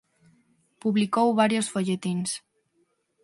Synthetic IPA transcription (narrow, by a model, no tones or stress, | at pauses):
puβlikowβaɾjosfoʎet̪ins